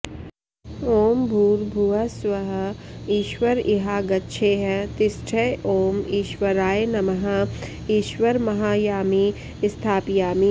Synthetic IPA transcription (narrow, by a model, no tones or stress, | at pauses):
oːmbʱuːɾbʱuɐswɐɦəiːʃʋəɾiɦaːɡɐtːʃʰeːɦt̪ɪsʈʰeʔoːmiːʃwɐɾaːenɐmɐɦa | iːʃwəɾmɐɦaːjaːmi | ɪst̪ʰaːpjaːmi